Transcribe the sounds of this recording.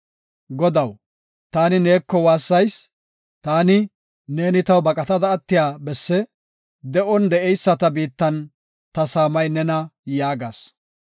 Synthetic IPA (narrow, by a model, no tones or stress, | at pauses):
ɡɔd̪ɐw | t̪aːnɪneːkːɔwaːsːɐjs | t̪aːnɪ | ne̞ːnɪt̪ɐwbɐkʼɐt̪ɐd̪ɐːt̪ːɪjaːbɛsːɛ | d̪ɛʔɔnd̪ɛɛjsːɐt̪ɐbiːt̪ːɐn | t̪ɐsaːmɐjnɛnɐjaːɡaːs